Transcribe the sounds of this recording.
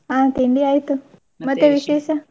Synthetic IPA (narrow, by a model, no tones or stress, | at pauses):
ɦãt̪iɳɖiajt̪u | mət̪eʋiʃeʃə